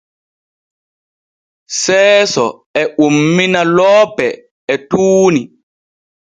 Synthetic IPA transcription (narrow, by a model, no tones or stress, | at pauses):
sɛːsɔ̰ | ɛumːinalɔːpɛ | ɛtuːni